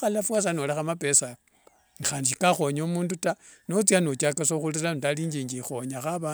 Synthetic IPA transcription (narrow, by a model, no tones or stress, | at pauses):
xalafwas̬anolexamape̞sak | nixaːnd͡ʒikaxo̞ɲomuːnduta | not͡sianot͡ʃakasoxulilanutaliːɲd͡ʒiːɲɡixo̞ɲaxaβa